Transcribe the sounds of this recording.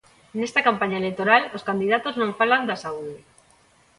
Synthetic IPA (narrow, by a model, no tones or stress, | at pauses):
nest̪ɐkampaɲaelekt̪oɾaloskand̪iðat̪oznõŋfaland̪ɐsauðɪ